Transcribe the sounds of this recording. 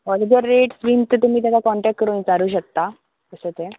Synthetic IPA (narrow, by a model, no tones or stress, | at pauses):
ɔld̪əɾːeʈsʋimt̪ət̪um̤iːt̪̬akakɔ̃ɳʈɛk̚ʈ̚kːəɾoĩt͡saɾuːɕək̚t̪a | kəsət̪e